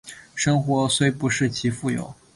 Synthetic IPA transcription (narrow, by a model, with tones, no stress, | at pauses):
ʂɤ˥ŋxwɔ˧˥swe˥ɪpu˧˥ʂɻ̩˥˩t͡ɕʰi˧˥fu˥˩jo̰˨˩˦ʊ